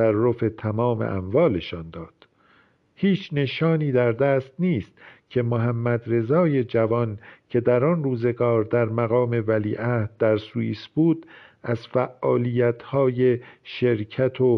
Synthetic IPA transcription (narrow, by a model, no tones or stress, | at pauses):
ærːo̞fe̞t̪ʰæmɒːme̞̰ʔæ̰mvɒːleʃɒnd̪ɒːd̪̥ | hiːt͡ʃʰne̞ʃɒːniːd̪æɾd̪æːst̪niːst̪cʰe̞moɦæmːæd̪ɾe̞zɒːje̞d͡ʒævɒncʰe̞d̪æɾɒnruːze̞ɡɒːɾd̪æɾmæɣɒːme̞væliːʔæhd̪̚d̪æɾsuiːsbuːd̪̥æzfæʔːɒːlijæt̪ʰhɒːje̞ʃe̞ɾcʰæt̪ʰo